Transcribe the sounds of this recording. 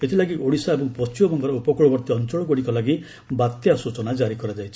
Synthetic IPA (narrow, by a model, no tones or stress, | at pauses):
et̪ʰilaɡiʔoɽisaebɔŋpɔst͡ʃimɔbʱɔŋkɔɾɔupɔkɔɭɔbɔɾt̪iɔnt͡ʃɔɭɔɡoɽikɔlaɡi | bat̪jasut͡ʃɔnad͡ʒaɾikɔɾad͡ʒajt͡ʃʰi̥